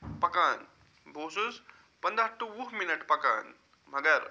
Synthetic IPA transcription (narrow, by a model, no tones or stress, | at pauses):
pɐkan | bʱosus | pənd̪aʈːuʋuɦminəʈpɐka̰ːn | m̤ɐɡəɾ